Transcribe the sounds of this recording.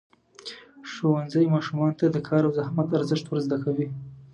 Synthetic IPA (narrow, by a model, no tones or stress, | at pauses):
ʂowanzəjmɑʃumɑnot̪ad̪əkʰɑɾawzahmat̪aɾzɪʃt̪wəɾzd̪akawi